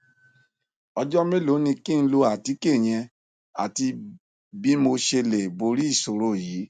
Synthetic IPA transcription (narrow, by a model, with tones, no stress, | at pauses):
ɔ˧d͡ʒɔ˦mĩ˦lo˨˦nĩ˧ki˦n̩˧˦lo˧a˨ti˨˧˦ke˦˨j̃ɛ̃˧ | a̰˨ti˧ | bi˦mo˧ʃe˧le˨bo˧ɾi˦i˦˨so˨ɾo˦˨jiː˨˦